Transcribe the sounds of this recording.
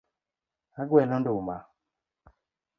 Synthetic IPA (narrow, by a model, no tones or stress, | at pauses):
aɡwɛnɔndoma